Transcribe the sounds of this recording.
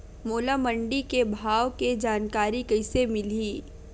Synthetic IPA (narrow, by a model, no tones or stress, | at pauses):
moːlamə̃ɳɖikebʱaːʋked͡ʒaːnkaːɾikɐɪsemɪliː